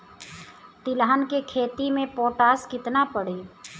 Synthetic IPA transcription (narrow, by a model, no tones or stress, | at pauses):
t̪ɪləɦənkekʰeːt̪imẽpoːʈaːskɪt̪napəɽeː